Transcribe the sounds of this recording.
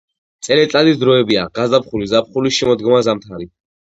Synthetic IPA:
t̪sʼɛlɛt̪ʼad̪isd̪ɾɔɛbiaɡazd̪apχulizapχulisʃɛmɔd̪ɡɔmazamt̪ʰaɾi

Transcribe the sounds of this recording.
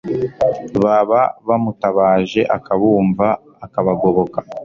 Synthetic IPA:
βaβaβamutaβaːʒe̞ʔakaβuːɱvaː | kaβaɡo̞βo̞ka

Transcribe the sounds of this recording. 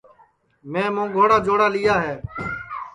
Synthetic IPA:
mẽːmõːɡʱoːɽaːd͡ʒoːɽaːlɪjaːɦɛː

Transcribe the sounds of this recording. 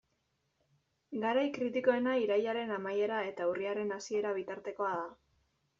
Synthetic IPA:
ɡaɾajkɾit̪iko̞e̞naiɾajaɾe̞namaje̞ɾae̞t̪auriaɾe̞nasie̞ɾaβ̞it̪aɾt̪e̞ko̞aða

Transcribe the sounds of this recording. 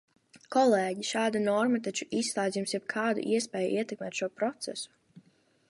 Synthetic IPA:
kɔleːɟiʃaːd̪anɔɾmat̪at͡ʃuʔisːlˠaːd̪zʲjumsjɛb̚kʰaːd̪ṵʔiɛspɛːjṵʔiɛt̪ɛk̚mɛːt̪ʃuɔpɾɔt̪sɛsu̥

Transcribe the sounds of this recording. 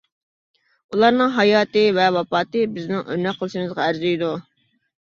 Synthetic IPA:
ulˠɑɾnɨŋɦɑjɑːt̪ɨvɛwɑpɑːt̪ɨbɪznɪŋø̰ɾnɛk̚qʰːəlˠɨʃɪŋɨzʁɑæɾzyjd̪u

